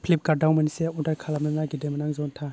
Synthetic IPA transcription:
pʰlip̚kaɾdawmanisiaundaɾkʰalamlanaɡidemɐnaŋzɔntʰa

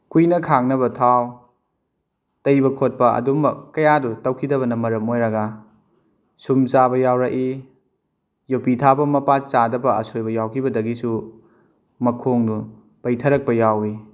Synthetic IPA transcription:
kujnɐkʰaŋnɐbɐtʰaw | tɐjbɐkʰot̚pɐɐ̰dumbɐkɐjadutɐwkʰidɐβɐnɐmɐɾɐmojɾɐɡɐ | sumt͡ʃabɐjawɾɐʔi | jopitʰabɐmɐpat͡ʃadɐbɐɐsojbɐjawkʰibɐdɐɡisu | mɐkʰoŋdu | pɐjtʰɐɾɐk̚pɐjawi

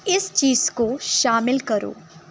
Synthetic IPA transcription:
ɪst͡ʃiːz̥koʃaːmɪlkɐɾo̰ː

